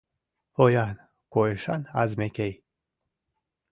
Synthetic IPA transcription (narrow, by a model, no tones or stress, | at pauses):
pojan | koeʃana̰zmekʲej